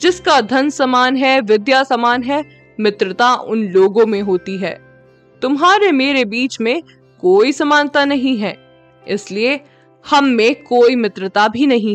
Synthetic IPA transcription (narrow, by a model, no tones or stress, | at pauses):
d͡ʒɪskad̪ʱɐnsɐmaːnɦɛʋɪd̪jasɐmaːnɦɛ | mɪt̪ɾət̪aʔʊ̰nloːɡõmẽɦoːt̪iɦɛ̰ː | t̪ʊmɦaːɾemeːɾebiːt͡ʃmẽ | koːisɐmaːnt̪anɐɦĩɦɛː | ɪslie | hɐmːẽkoːimɪt̪ɾət̪abʱinɐɦĩ